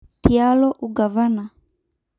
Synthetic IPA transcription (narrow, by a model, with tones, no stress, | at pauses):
tialɔ˦ʔuɡa˨va˦na˨